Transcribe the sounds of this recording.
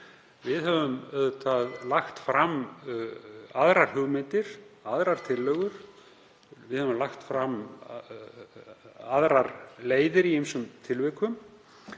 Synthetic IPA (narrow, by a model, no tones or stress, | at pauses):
vɪðɦɛvʏmœðt̪ʰaðlaxt̪fɾam | aðɾaɾ̥hʏɣmɪnt̪ɪɾ̥aðɾaɾ̥t̪ʰɪlːœɣʏɾ̥ | vɪðhɛvʏmlaxt̪fɾam | aðɾaɾleːjðɪɾiejmsʏmt̪ʰɪlvɪkʏm